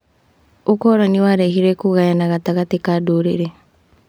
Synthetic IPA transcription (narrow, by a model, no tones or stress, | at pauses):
okɔɾɔniwaɾehiɾɛkuɣajanaɣataɣatikadoɾeɾe